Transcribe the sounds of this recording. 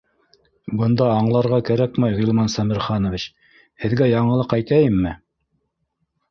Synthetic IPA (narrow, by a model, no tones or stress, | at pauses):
bɤ̆nd̪ɑːɴlˠɑɾʁɑkæɾækmæjʁilˠmɑnsɑmɘ̆ɾχɑnŏvʲit͡ɕ | hɘ̆ðɡæjɑɴɤ̆lˠɤqæjt̪æjɘmːɘ